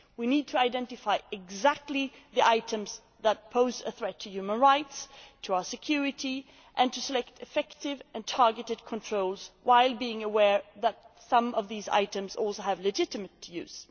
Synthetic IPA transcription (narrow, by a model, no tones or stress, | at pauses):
winid̚tʰɨaɪdɛ̃ntɨfaɪɨɡzæk̚tˡliðiʔaɪɾɨ̃mz | ðət̚pʰoʊzɨ̰θɹɛtʰːɨjʉmə̃nɹaɪtstʰəaʊə˞sɨkʰj̥ʊɹɨɾi | ʔɨ̃ntʰɨsəlɛk̚tʰɨfɛktɪvɨ̃ntʰɑɹɡɨɾɨd̚kʰə̃ntʰɹ̥oʊlˠzwaɪlˠbiɪ̃ŋəwɛɹðət̚sʌ̃mʌvðiza̰ɪɾɨ̃mzɔ̰lˠsoʊɨvlɨd͡ʒɪɾɨmɨtʰjʉ̰z̥